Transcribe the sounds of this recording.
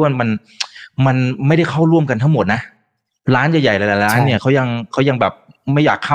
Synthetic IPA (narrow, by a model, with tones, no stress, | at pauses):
nma˧n | ma˧nma˥˩jda˥˩jxʰa˥˩wɾu˥˩əmka˧nt̪ʰa˥˩ŋmo˨˩t̪̚na˦˥ʔ | ɾaː˦˥njaː˨˩ja˨˩jla˧˩la˨˩ɾaː˦˥nːi˥˩ɐkʰa˦˥wja˧ŋkʰa˦˥wja˧ŋbɛː˨˩p̚ma˥˩jaː˨˩kʰːa˥˩